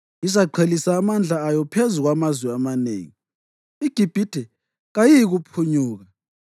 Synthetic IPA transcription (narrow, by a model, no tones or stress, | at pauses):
izaǃʰelisaːmand͡ɮʱaːjɔpʰezuɣwamazwɛamanḛːŋi | iɡ̥ʱib̥ʱid̥ʱɛ | ɣajijiɣupʰuɲuːɣa